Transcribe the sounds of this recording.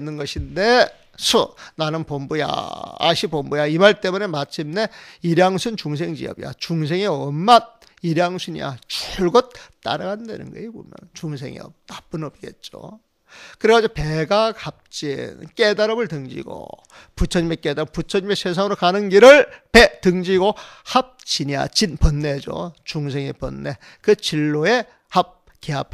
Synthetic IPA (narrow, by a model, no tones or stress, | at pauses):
nːɯnɡʌɕʰinde̞ | sʰunanɯnpombuja̰a̰ɕʰipombujaimaɭt͈e̞munemat͡ɕʰimneiɾjaŋsʰunt͡ɕuŋsʰe̞ŋd͡ʑḭjʌ̰bija̰t͡ɕuŋs̬ʰe̞ŋeʌmːad̚ | iɾjaŋsʰuɲḭja̰t͡ɕuɭɡʌt̚t͈a̰ɾaɡandwḛnɯ̰nɡʌ̰ibo̰mjʌ̰nt͡ɕuŋs̬ʰe̞̰ŋḛʌ̰p̚tap͈ɯnʌbiɡe̞̰t̚t͡ɕ͈o̰ | kɯɾeɡad͡ʑopeɡaɡap̚t͡ɕ͈in̰nk͈edaɾʌbɯɭtɯŋd͡ʑḭɡo̰ | put͡ɕʰʌɲimek͈ed̪aɾʌput͡ɕʰʌɲime̞sʰes̬ʰaŋɯɾokanɯnɡiɾɯɭpetɯŋd͡ʑiɡohap̚t͡ɕiɲia̰t͡ɕinpʌnːed͡ʑo̰t͡ɕuŋsʰeŋepʌ̰nːe̞ | kɯt͡ɕiɭːoe̞ | hap̚ | kea̰p̚ʰ